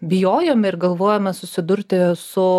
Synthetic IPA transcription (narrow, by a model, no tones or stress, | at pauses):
bʲɪjoːjɛmʲɪɾɡɐlˠʋoːjɛmʲɛsʊsʲɪd̪ʊɾʲt̪ʲɪsʊ